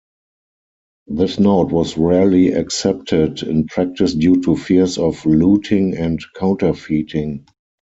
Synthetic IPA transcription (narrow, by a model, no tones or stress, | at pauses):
ðɪsnoʊtwɔsɹɛliaksɛp̚tʰɪdɪ̰̃npʰɹæk̚tɪsdjuːtʰufisɔfluːtʰɪ̃ŋɛ̃ntkʰãʊ̃ntə˞fiːtʰɪ̃ŋ